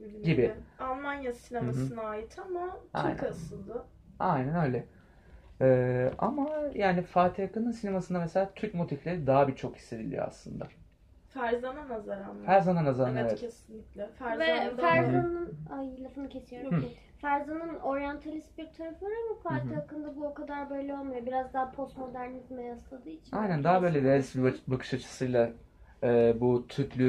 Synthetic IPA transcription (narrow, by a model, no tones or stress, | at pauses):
ɟibialˠmanjasinemmasɯnaaːjit̪ʰamat̪ʰa̰jjnkʰasɯlˠd̪ɯ | ajnænø̞jlʲɛ | ɛːa̰majaːnifaːt̪ʰiakanɯnsinemasɯnd̪ameselʲaːt̪ʰyɾc̚mo̞t̪ʰiflʲe̞ɾid̪aɦabit͡ʃʰo̞khi̥sːe̞d̪ilʲḭo̰a̰slˠɯnd̪a̰ | fæɾzananazaɾanmfæɾzananazaevɛɛtʰesinlʲiclʲɛfæzvɛfæɾzanɯnajɯlˠafɯnɯcʰe̞sijo̞ɾ | fæɾzanɯno̞ɾjant̪ʰalʲist̪̚biɾt̪ʰaɾaflˠaɾamafaːt̪ijakɯnd̪abuokad̪aɾbø̞jlʲɛo̞lˠmujobiɾazd̪aɦapʰo̞st̪mo̞d̪æɾnʲikmajaslˠad̪ɯːit͡ʃʰinajnænd̪aɦabø̞ːjlʲɛbiazbakʰɯ̥ʃat͡ʃʰɯ̥sɯjlˠa | ɛːbut̪ʰyɾt̪ʰlʲy